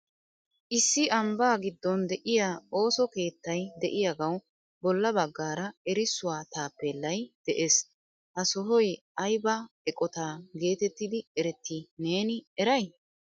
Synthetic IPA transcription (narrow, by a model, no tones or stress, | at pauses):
ʔɪsːɪɐmbaːɡɪd̪ːɔnd̪ɛʔɪjaːo̞ːsɔke̞ːt̪ːɐjd̪ɛʔɪjaɡɐw | bɔlːɐbɐɡːaːɾɐɛɾɪsːʊwaːt̪aːpːɛlːɐjd̪̥ɛʔes | hɐsɔɦɔjɐjbɐɛkʼɔt̪aːɡe̞ːt̪ɛt̪ːɪd̪ɪɛɾɛt̪ːine̞ːnɪɛɾɐj